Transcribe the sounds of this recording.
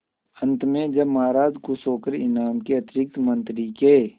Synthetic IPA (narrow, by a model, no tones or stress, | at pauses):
ə̃nt̪mẽd͡ʒɐbmaːɾaːd͡ʒkusoːkəɾɪnaːmkeɐt̪ɾɪk̚t̪mə̃nt̪ɾikeː